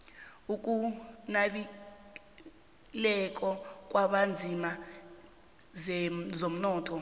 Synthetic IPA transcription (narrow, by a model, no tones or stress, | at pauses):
uk̬ʼunaɓi | lɛk̬ʼɔk̬ʼwaɓand͡zʱima | zom̩nɔːtʰɔ